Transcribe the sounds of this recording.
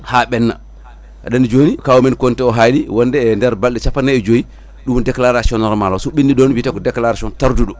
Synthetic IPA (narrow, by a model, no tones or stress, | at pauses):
haɓɛnːa̰ | a̰ɗand͡ʒonikawɔmɛnkɔntɛɔɦaliwɔndɛːndɛɾbalɗɛt͡ʃafanːaɛd͡ʒoji | ɗumdɛklaɾasiɔnɔɾmalɔsuɓindiɗɔnwiːtakɔdɛklaɾasiɔntaɾduɗɔ